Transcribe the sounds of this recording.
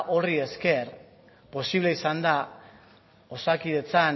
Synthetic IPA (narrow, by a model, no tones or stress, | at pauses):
ʔo̞rie̞ske̞r | po̞siβle̞isand̪a | o̞sakiðe̞t͡san